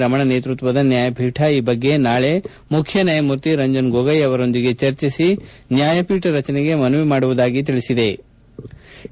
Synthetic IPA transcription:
ɾɐmɐɳɐneːt̪ɾut̪ʋɐd̪ɐnjaːjɐbʱiːʈʰɐiːbɐɡːe̞naːɭe̞ | mukʰjɐnɐjɐmuɾt̪iɾɐɲd͡ʒɐnɡoɡɐjɐʋɐɾo̞nd̪iɡe̞t͡ʃɐɾt͡ʃisinjaːjɐpiːʈʰɐɾɐt͡ʃɐneɡe̞mɐnuʋimaːɽuʋud̪aːɡit̪iɭisid̪e̞

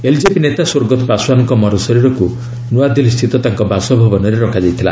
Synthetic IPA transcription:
eld͡ʒepinet̪asoɾɡɔt̪ɔpaswanɔŋkɔmɔɾɔsɔɾiɾɔku | nuad̪ilist̪ʰit̪ɔt̪aŋkɔbasɔbʱɔbɔnɔɾeɾɔkʰad͡ʒajt̪ʰila̰

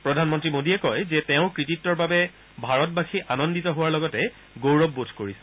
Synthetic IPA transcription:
pɹɔdʱanmɔntɹimodiɛkɔjzɛtɛʊ̃kɹititːɔɹbabɛ | bʱaɹɔtbaxiʔanɔnditɔɦʊwaɹlɔɡɔtɛ | ɡowɹɔbːotʰkoɹisɛ̥

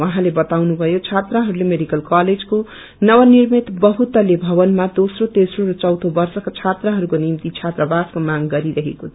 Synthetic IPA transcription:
wʌɦãlebʌt̪awnubʱʌjot͡sʰat̪rʌɦʌɾulemeɖikʌlkaled͡zko | nʌwʌnirmet̪bʌɦut̪ʌlebʱʌbʌnmad̪osrot̪esroɾʌt͡sʌwt̪ʰobʌrsʌkat͡sʰat̪rʌɦʌɾukonimt̪it͡sʰat̪rʌbaskomaŋɡʌɾiɾʌɦḛkot͡sʰʌ

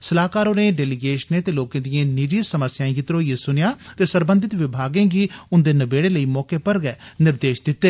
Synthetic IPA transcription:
səlaːkaːɾoːneːɖɛːlɪɡeːʃnẽːt̪eːloːkãːd̪ijãːniːd͡ʒiːsəməsjãːjɪt̪ɾoːijeːsʊnɪjaːt̪eːsəɾbə̃nd̪ɪt̪ʋɪbʱaːɡẽːɡiːʊnd̪eːnəbeːɽeːləiːmɔːkeːpəɾɡɛɛːnɪɾd̪eːʃd̪ɪt̪ːeː

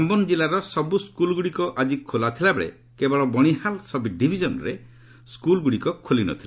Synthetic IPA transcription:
ambɔnd͡ʒilaɾɔsɔbuskulɡuɽikɔʔad͡ʒikʰolat̪ʰilabeɭḛ | kebɔɭɔbɔɽ̃ihalsɔbʱiɖibʱid͡ʒɔnɔɾe | skulɡuɽikɔkʰolinɔ̰t̪ʰila

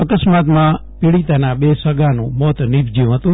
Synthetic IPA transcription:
əkəsmat̪mã | piɭit̪anabesəɡanṵ̃mɔt̪nibd͡ʒĩɦət̪ũ

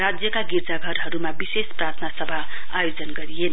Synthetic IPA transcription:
rad͡zjʌkaɡird͡zaɡʱʌɾɦʌɾumabisesprat̪ʰnasʌbʱa | ajod͡zʌnɡʌɾijenʌ

